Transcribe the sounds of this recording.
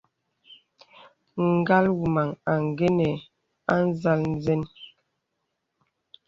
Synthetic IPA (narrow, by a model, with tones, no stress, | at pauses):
ŋ̩˨ɡa˦lwu˨ma˨ŋa˨ŋ˨ɡe˦nɛ˨ | a˦n̩˦za˦ln̩˦zɛ˦n